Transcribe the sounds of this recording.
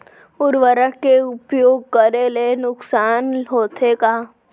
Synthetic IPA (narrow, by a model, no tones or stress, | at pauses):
ʊɾʋəɾəkeʊpjoːɡ̚kəɾelenʊksaːnɦoːt̪ʰekaː